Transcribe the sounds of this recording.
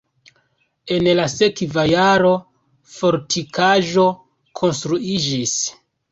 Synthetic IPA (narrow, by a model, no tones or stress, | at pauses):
e̞nlase̞kvajaɾo̞ | fo̞ɾtʰikʰaʒo̞ | kʰo̞nstɾuid͡ʒis